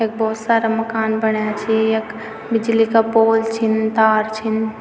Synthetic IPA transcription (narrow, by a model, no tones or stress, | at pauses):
ek̚bʱɔːt̪saɾaməkanbənat͡ʃʰiek | bid͡ʒlikapoːlt͡ʃʰint̪aːɾt͡ʃʰin